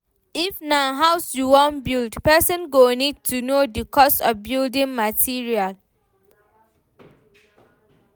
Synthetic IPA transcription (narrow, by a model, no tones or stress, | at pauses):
ifnaɦaʊsjuwɔ̃nbildpɛsɔ̃nɡonid̚tʰunodikʰɔsɔfbildĩnmatʰiɹial